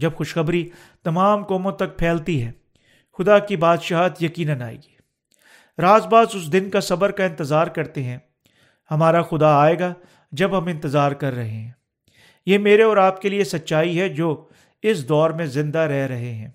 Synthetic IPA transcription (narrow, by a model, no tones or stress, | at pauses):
d͡ʒɐbxʊʃxɐbɾi | t̪ɐmaːmkɔːmõt̪ɐk̚pʰɛːlt̪iɦɛː | xʊd̪akibaːd̪ʃaːɦt̪jɐkiːnənaːḛːɡiː | ɾaːzbaːzʊs̬d̪ɪnkasɐbəɾkaɪ̃nt̪əzaːɾkɐɾt̪eɦɛ̃ː | hɐmaːɾaxʊd̪aaːeːɡa | d͡ʒɐbɦɐmɪ̃nt̪əzaːɾkɐɾːɐɦeɦɛ̃ː | jeːmeːɾeɔːɾaːp̚keliesɐtːʃaːiɦɛd͡ʒoː | ɪsd̪ɔːɾmẽzɪ̃nd̪aɾɛɦɾɐɦeɦɛ̃ː